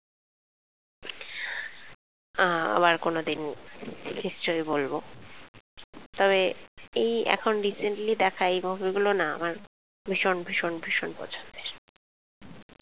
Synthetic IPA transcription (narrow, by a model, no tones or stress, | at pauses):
a̰baɾkonod̪in | kist͡ɕojbolbo | t̪ɔβeejɛ̰kʰonɾiseɳʈlid̪ɛkʰaejbubiɡulonaa̰maɾ | bʱiʃonbʱiʃonbʱiʃonpɔ̰t͡ɕʰont̪eɾ